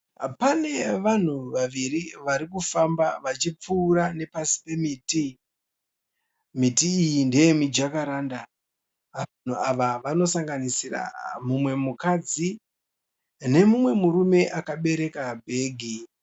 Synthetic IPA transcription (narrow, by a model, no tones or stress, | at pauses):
pane̞ʋan̤uʋaʋiɾiʋaɾikufambaʋat͡ʃip͡fuːɾane̞pasi̥pe̞miti | mitiːjindejemid͡ʒakaɾaːnda | an̤uaʋaʋano̞saŋɡanisira̰mumwe̞mukad͡zi | ne̞mumwe̞muɾume̞ʔakaɓe̞ɾe̞kabʱe̞ːɡʱi